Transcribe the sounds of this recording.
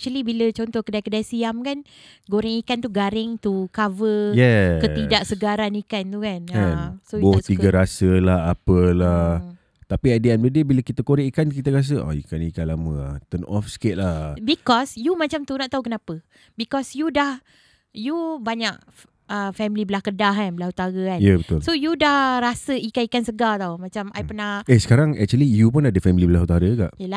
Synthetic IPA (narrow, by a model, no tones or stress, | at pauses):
ɛk̚t͡ʃəlibilət͡ʃɔnt̪ɔhkədajkədajsiamkan | ɡoɾɪŋikant̪uɡaɾɪŋt̪ukavəjɛkəidaʔsəɡaɾanikant̪ukankasot̪iɡɡaɾasəlaɦapəla | t̪apiadeanbədəbiləkit̪əkoɾɪʔikank̬it̪əɾas̬əa̰ḭkanikanlamə̃a̰t̪ənʔɔfsə̥ket̪̚lahbikɔsjumãt͡ʃamt̪unaʔt̪aukənapə | bikɔsjudah | jubaɲak | əfɛmilibəlahkədaɦanbəlahut̪aɾəanjəbət̪ʊlsojudahrasəikanikansəɡat̪awmãt͡ʃamajpənahesə̥kaɾaŋɛ̰k̚t͡ʃuəlijupʊnadəfɛmilibəlaɦut̪aɾəɡaʔjəla